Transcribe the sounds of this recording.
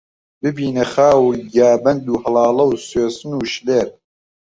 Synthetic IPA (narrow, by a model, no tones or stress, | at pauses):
bɨbiːnɐχaːwɡaːbɐnd̪uːhɐlɑːlˠɐwsweːsɨnuːʃleːɾ